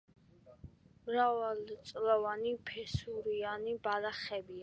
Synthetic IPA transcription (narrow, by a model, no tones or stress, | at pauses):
mɾavalt̪sʼlɔvanipʰɛsuɾianibalaχɛbia